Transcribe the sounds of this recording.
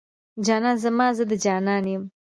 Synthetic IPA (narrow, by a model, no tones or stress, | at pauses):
d͡ʒɑːnɑnzamɑːzəd̪əd͡ʒɑːnɑnjəm